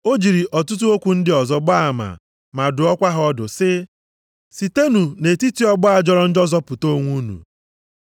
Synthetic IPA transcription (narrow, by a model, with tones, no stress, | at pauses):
o˦d͡ʒi˨ɾi˨ʔɔ˨tʊ˦t̬u˦o˦kʷu˨n̩˦dɪ˦ɔ˨zɔ˦ɡ͡ba˦a˨ma̰˨ | ma˨dʊ˨ɔ˦kʷa˦ɦɔ˦dʊ˨sɪ˦ | si˨te˦nu˨ne˨ti˦ti˦ɔ˦ɡ͡bɔ˦a˨d͡ʒɔ˦ɾɔ˦n̩˦d͡ʒɔ˦zɔ˦pʊ˨to˦ŋʷu˦nṵ˨